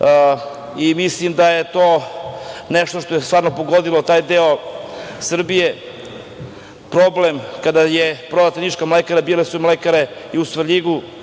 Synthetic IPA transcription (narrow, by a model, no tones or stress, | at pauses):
imislimd̪ajet̪o̞ː | neʃt̪oʃt̪o̞jest̪vaːɾnopoɡo̞d̪ilot̪aːjd̪eosr̩bije | pɾoblemkad̪ajepɾoʋat̪ɾenit͡ʃkamlekaɾabiːlasumlekaɾeiusʋəɾʎiɡu